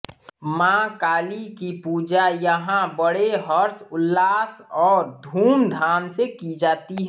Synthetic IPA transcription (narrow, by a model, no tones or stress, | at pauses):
mãkaːlikipuːd͡ʒajəɦãbəɽeɦəɾsʊlːaːsɔːɾd̪ʱuːmd̪ʱaːnsekid͡ʒaːt̪iɦ